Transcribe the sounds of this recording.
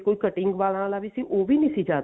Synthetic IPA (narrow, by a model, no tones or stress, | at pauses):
koːikəʈɪ̃ŋɡʋaːlãlabisiʔoːbʱinĩsid͡ʒaːt̪